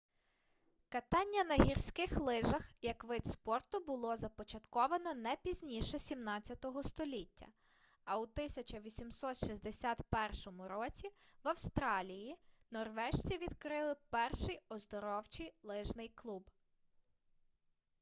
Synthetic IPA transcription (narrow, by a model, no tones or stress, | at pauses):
kɐt̪ɑnʲːɐnɐɦʲirsʲkɪxlˠɪʒɐxjɐkʋɪt̪spɔrt̪ʊbʊlˠɔzɐpɔt͡ʃɐt̪kɔʋɐnɔnɛpʲizʲnʲiʃɛsʲimnɑt͡sʲːɐt̪ɔɦɔst̪ɔlʲitʲːɐ̰ | ɐut̪ɪsʲɐt͡ʃɐʋʲisʲimsɔt̪ʃizʲd̪esʲat̪pɛrʃɔmʊɾɔt͡sʲi | ʋɐwst̪ɾɑlʲijinɔrʋɛʃt͡sʲiʋʲid̪kɾɪlˠɪpɛrʃɪjɔzd̪ɔɾɔwt͡ʃijlˠɪʒnɪjklˠub